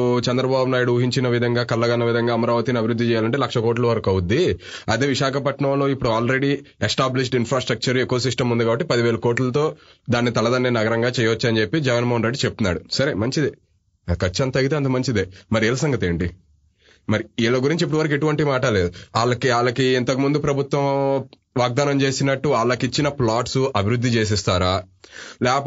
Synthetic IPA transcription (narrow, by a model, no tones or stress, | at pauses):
t͡ʃɛnd̪ɾɐbaːbunaːjuɽuuɦiɲt͡ʃinɐʋid̪ʱɐŋɡaːkɐlːɐɡɐnːɐʋid̪ʱɐŋɡaːɐmɐɾaːʋɐt̪iniɐbʱiɾud̪ːit͡ʃɛːjaːlɐɳʈeːlɐkʂɐko̞ːʈ̬lɐʋɐɾɐkɐwud̪ːiɐd̪eːʋiʃaːkɐpɐʈɳɐmlo̞ːipːuɽuaːlɾe̞ɽiesʈaːbliʂ̬ɖinpɾaːsʈɾɐk̚t͡ʃɐɾekːoːɐsisʈɐmund̪uɡaːbɐʈːipɐd̪iʋe̞ːlɐko̞ːʈlɐt̪o̞ːd̪aːnːit̪ɐlɐd̪ɐnːenɐɡɐɾɐŋɡaːt͡ʃɛjɐʋɐt͡ʃːɐnd͡ʒepːid͡ʒɛɡɐnɐmoɦɐnɾe̞ɖːit͡ʃep̚t̪unːa̰ːɽusɐɾemɐɲt͡ʃid̪i | kɐt͡ʃːiɐnt̪ɐɡit̪eɐnt̪ɐmɐɲt͡ʃid̪emɐɾiɛlɐsɐŋɡɐt̪e̞ːɳʈi | mɐɾiilːɐɡuɾiɲt͡ʃip̬ːuɽuʋɐɾɐk̬e̞ʈuʋɐɳʈimaːʈɐle̞ːd̪uaːlːɐkiaːlːɐkient̪ɐkumund̪upɾɐbʱut̪ʋɐ̃m | ʋaːɡ̚d̪aːnɐmt͡ʃe̞ːsinɐʈːuaːlːɐkit͡ʃːinɐplaːʈsuʔɐbʱiɾud̪ʱːit͡ʃe̞ːs̬ɛst̪aːɾaːlɛːkp